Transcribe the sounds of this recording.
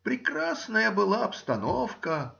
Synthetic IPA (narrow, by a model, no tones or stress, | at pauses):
pɾʲɪkɾasnəjəbɨlˠaɐpst̪ɐnofkə